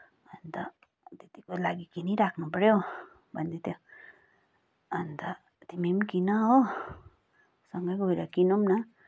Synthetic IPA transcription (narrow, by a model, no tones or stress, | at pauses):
ʌnt̪ʌ̰ | t̪et̪ikolaɡikiniɾakʰnupʌɾjo | bʱʌnd̪et̪jo | nt̪ʌ | t̪imimkinʌɦo | sʌŋɡʌjɡʱojɾʌkinumnʌ